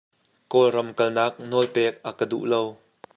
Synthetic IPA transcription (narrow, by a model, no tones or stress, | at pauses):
kɔlrɐmkɐlnaːk̚nɔlpɛːk̚ʔakədṵʔlow